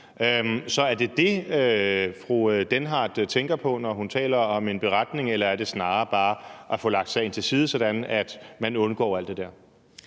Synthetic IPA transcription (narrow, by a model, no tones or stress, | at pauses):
øsɒ̽æɐd̥e̝d̥e̝øfʁuød̥enɦɑ̈ːd̥t͡sʰeŋɡ̥ɐpʰɒ̽nɒɦunt͡sʰɛ̰ːlɐɒ̽me̝nb̥e̝ʁad̥ne̝ŋelɐæɐd̥e̝snɑ̈ːɐb̥ɑ̈ːʔæfɔ̽ːlɑ̈ɡ̥d̥sɑ̈e̝nt͡sʰe̝lsiːð̞ˠəsɒ̽ɾ̥ænæd̥mænɔ̽nɡ̥ɒ̰ːæl̰d̥e̝d̥æɐ̰